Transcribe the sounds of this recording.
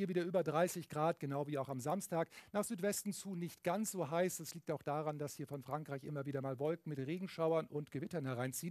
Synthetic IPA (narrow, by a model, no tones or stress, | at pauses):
iːɐviːdɐʔyːbɐdʁaɪsɪçɡ̥ʁaːt̚ɡ̥ənaʊviːaʊxamzamstaːknaːχz̥yːtv̥ɛstn̩t͡suːnɪçtɡ̥ansz̥oːɦaɪsd̥asliːk̚taʊxd̥aːʁand̥ashiːɐfɔnfʁ̥aŋkʁ̥aɪçʔɪmɐviːdɐmaːlvɔlkŋ̩mɪtʁeːɡŋ̩ʃaʊɐnʔʊntɡ̥əvɪtɐnhɛɐʁaɪnt͡siːən